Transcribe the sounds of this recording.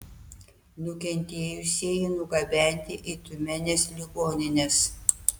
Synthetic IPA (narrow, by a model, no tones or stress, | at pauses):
nʊkʲɛnʲt̪ʲeːjʊsʲeːjinʊɡɐbʲɛˑnʲt̪ʲɪʔit̪ʊmʲɛnʲeːslʲɪɡoːnʲɪnʲeːs